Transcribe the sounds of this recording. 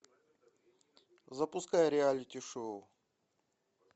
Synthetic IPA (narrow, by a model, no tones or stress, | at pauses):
zɐpʊskajɾʲɪalʲit̪ʲɪʂoʊ